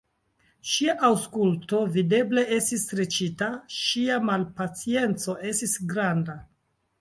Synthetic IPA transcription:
ʃiaʔawskulto̞vide̞ble̞ʔe̞stisɾet͡ʃitaʃiamalpat͡sie̞nt͡so̞ʔe̞stisɡɾanda

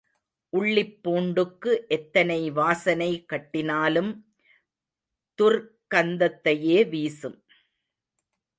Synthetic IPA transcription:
ʔʊɭːɪpːoːɳɖɯkːɯʔɛt̪ːɐnɐɪʋaːsɐnɐɪkːɐʈːɪnaːlɯm | t̪ʊr | kɐnd̪ɐt̪ːɐjeːʋiːsɯm

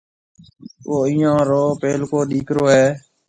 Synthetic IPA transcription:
oːĩːãːɾoːpeːlkoːɗiːkɾoːɦɛː

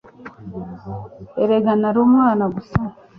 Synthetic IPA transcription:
eɾeɡanaɾoːmŋwaːnaɡusa

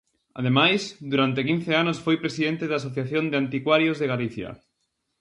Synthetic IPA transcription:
a̰ðemajsd̪uɾant̪ɪkin̟θeanosfojpɾesiðent̪eðas̬oθjaθjond̪ɪant̪ikwaɾjozðeɣaliθjɐ̰

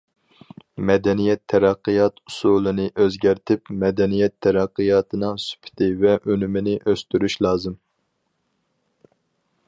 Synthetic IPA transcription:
mɛd̪ɛnijɛt̪ʰːɛɾæqːɨjɑt̪u̥sulˠɨnɨʔøzɡʲæɾt̪ʰɪpmɛd̪ɛnijɛt̪ʰːɛɾæqːɨjɑːt̪ʰɨnɨŋsy̥pʰɪ̥t̪ʰɪvɛʔønymɪnɪʔøst̪yɾyʃlˠɑːzɨm

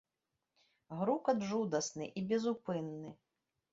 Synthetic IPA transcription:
ɣɾukɐd̪ʐud̪ɐsnɨʔibʲɛzupɨnːɨ

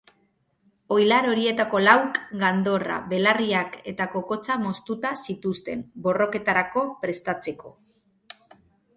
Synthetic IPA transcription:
o̞jlaɾo̞ɾie̞t̪ako̞lawkɡand̪o̞ra̰βe̞lariake̞t̪ako̞ko̞t͡samo̞st̪ut̪asit̪ust̪e̞mbo̞ro̞ke̞t̪aɾako̞pɾe̞st̪at͡se̞ko̞̰

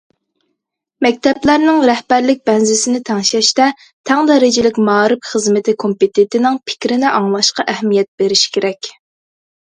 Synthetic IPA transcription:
mɛk̚ʲt̪ʰɛplæɾnɪŋɾɛhbæɾlɪk̚ʲbɛnzɪsɪnɪt̪ʰɛŋʃɛʃt̪ɛ | t̪ʰɛŋd̪ɛɾɪd͡ʒɪlɪkʲmɑːɾɨpχəzmɪt̪ʰɪkʰompet̪ʰent̪ʰɪnɪŋpʰɪ̥kʲɾɪnɪʔɑŋlˠɑʃqɑʔɛhmijɛt̪̚b̥eɾɪʃkʲʰeɾɛkʲ

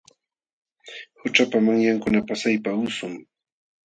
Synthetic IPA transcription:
hʊt͡ʃapamaŋjaŋkʊnapasajpaʊsʊŋ

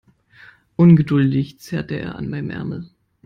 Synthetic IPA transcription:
ʔʊnɡədʊldɪçt͡sɛɐtəʔḛːɐʔa̰nmaɪnəmʔɛ̰ɐml̩

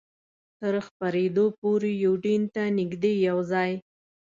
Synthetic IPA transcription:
t̪əɾxpaɾed̪opoɾejowɖint̪anɪɡd̪ejawzɑj

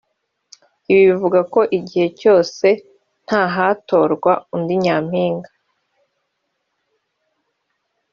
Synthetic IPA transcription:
iβiivuɡako̞ʔiɟihe̞co̞ːse̞ | n̥haɦaːto̞ːɾɡwaundiɲaːm̥hiːŋɡa

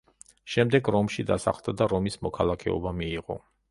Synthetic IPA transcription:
ʃɛmd̪ɛɡɾɔmʃid̪a̰sa̰χlˠd̪ad̪aɾɔmismɔkʰalˠakʰɛ̰ɔ̰bamiːʁɔ̰

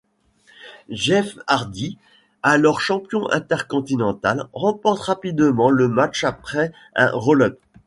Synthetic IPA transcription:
ʒɛfaʁd̪i | alɔʁʃɑ̃pjɔ̃ʔɛ̰̃t̪ɛʁkɔ̃t̪inɑ̃t̪alʁɑ̃pɔχt̪ʁapid̪mɑ̃ləmat͡ʃapχɛ | ɛ̰̃ʁolœp

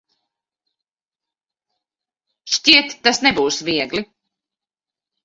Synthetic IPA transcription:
ʃtiɛt̪ːasnɛbuːsvʲiɛɡli

